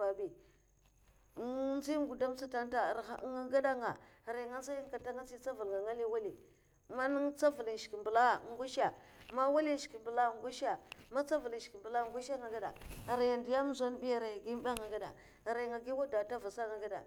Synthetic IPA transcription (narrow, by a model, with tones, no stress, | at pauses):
a˨bi˨˦ | nzi˦ɡu˨da˦m˦sa˦ta˦nta˨ɾa˨˦ŋa˦ɡa˦da˦ŋa˨ | ɾa˨ŋa˦n˦za˦jŋ˦ka˨ta˦ŋa˦t͡si˦t͡sa˦va˨lŋɡa˨ŋa˦li˦wa˦li˨ | ma˦n˦ŋt͡sa˦vu˨li˨ʃki˨mbu˨la˦˨ŋ˦ɡu˦ʃa˨ | ma˦wa˦li˦ʃki˨mbu˨la˦˨ŋ˦ɡu˦ʃa˨ma˦t͡sa˦vu˨li̥˨ki˨mbu˨la˦˨ŋɡu˦ʃa˦ŋa˨ɡa˦da̰˨ɾa˨ja˨ndi˨ja˦m˦za˦n˦bi˦ja˦ɾa˨jɡi˦m˦ba˦ŋa˨ɡa˦da̰˨ | ɾa˨ŋa˨ɡi˦wa˦da˨ta˦va˨sa˦ŋa˨ɡa˦da̰˨